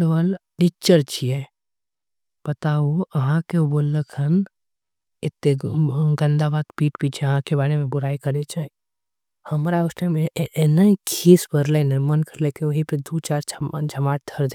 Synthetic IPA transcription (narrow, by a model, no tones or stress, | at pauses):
ɽʋəlʈiːk̚t͡ʃəɾt͡ʃʰije | pət̪auəɦãkeboːlːəkʰən | ɪt̪ːeɡə̃nd̪abaːd̪piːʈpiːt͡ʃʰeəɦãkebaːɾemẽbʊɾaːikəɾet͡ʃʰə | həmɾaʊsnemeenəkʰiːsbəɾlenɪɾmənkəɾlekeoɦipəd̪ut͡ʃaːɾd͡ʒʱəmaːʈ̚d̪ʰəɾd̪e